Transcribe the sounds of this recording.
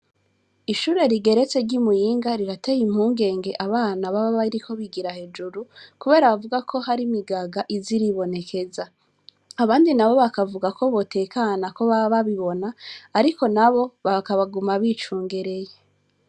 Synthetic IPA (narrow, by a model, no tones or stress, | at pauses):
iʃuːɾe̞ɾiɡe̞ɾe̞t͡se̞ɾɟimujiːŋɡaɾiɾatejim̥huːŋɡe̞ːŋɡe̞ʔaβaːnaβaβaβaɾiko̞βiɡiɾahe̞d͡ʒuɾukuβe̞ːɾaβavuɡakʰo̞haɾimiɡaɡaʔiziɾiβo̞ne̞kʰe̞za | aβaːndinaβo̞βakavuɡako̞βo̞tʰe̞kanako̞βaβaβiβo̞naːɾiko̞naβo̞βakaβaɡumaβit͡ʃuːŋɡe̞ɾe̞je